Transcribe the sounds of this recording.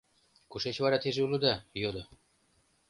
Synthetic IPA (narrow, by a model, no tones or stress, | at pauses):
kuʃet͡ɕβɑɾɑt̪eʒeuləd̪ɑjod̪ɤ